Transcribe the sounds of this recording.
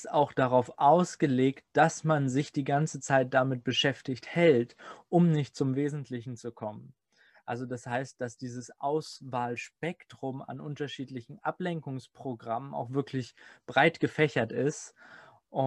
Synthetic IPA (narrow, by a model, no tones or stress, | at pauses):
saʊxd̥aʁaʊfʔaʊsɡ̥əleːkt̚d̥asmanzɪçd̥iːɡant͡sət͡saɪt̚d̥amɪt̚b̥əʃɛftɪçthɛltʔʊmnɪçt̚t͡sʊmveːzn̩tʰlɪçn̩t͡sukʰɔmən | ʔalzodashaɪst̚d̥asd̥iːzəsʔaʊsvaːlʃpɛktʁ̥ʊma̰nʔʊntɐʃiːtlɪçn̩ʔaplɛŋkʊŋspʁ̥oɡʁaməna̰ʊxv̥ɪɐkʰlɪçb̥ʁaɪtɡ̥əfɛçɐtɪst | ʔʊ